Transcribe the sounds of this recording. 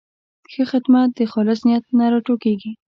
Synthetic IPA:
xəxɪd̪mat̪̚d̪əxɑlɪsnɪjat̪̚naɾɑʈokeɡi

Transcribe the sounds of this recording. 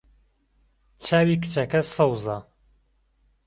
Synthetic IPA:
t͡ʃʰaːwikɨ̥t͡ʃʰɐkɐsɐwza

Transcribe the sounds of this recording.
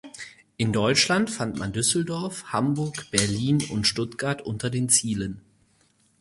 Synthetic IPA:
ʔɪndɔʏt͡ʃlantfantmandʏsl̩dɔɐfhambʊɐkb̥ɛɐliːnʊ̰ntʃtʊtɡ̥aɐtʔʊntɐdeːnt͡siːlən

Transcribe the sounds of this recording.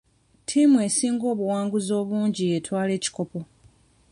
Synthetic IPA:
tʰimwe̞ːsiːŋɡo̞ːβuwaːŋɡuzo̞ːβuːɲɟietʰwaːle̞ːci̥ko̞po̞

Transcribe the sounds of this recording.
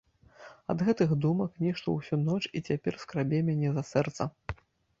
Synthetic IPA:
ɐ̰d̪ɣɛt̪ɨxd̪umɐknʲɛʂt̪ɔ̰wsʲunɔt͡ʂit͡sʲapʲɛrskɾabʲɛmʲanʲɛzɐsɛrt̪sɐ

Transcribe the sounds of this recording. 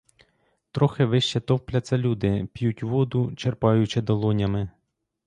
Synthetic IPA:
t̪ɾɔxɪʋɪʃt͡ʃɛt̪ɔwplʲɐt̪sɐlʲud̪ɪpʲjutʲʋɔd̪ʊt͡ʃerpɑjʊt͡ʃɪd̪ɐlˠɔnʲɐmɪ

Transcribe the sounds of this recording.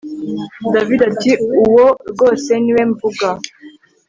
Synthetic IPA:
davidatiuwoɡoseniweɱvuɡa

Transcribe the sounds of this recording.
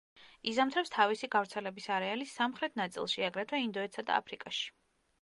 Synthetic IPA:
izamt̪ʰɾɛpst̪ʰavisiɡavɾt̪sʰɛlɛbisaɾɛalisːamχɾɛt̪ʰnat̪sʼḭlˠʃiaɡɾɛt̪ʰwɛind̪ɔɛt̪sad̪a̰a̰pʰɾikʼaʃi̥

